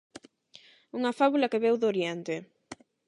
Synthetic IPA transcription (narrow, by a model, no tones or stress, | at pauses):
uŋɐfaβulɐkeβewðoɾjɛnt̪e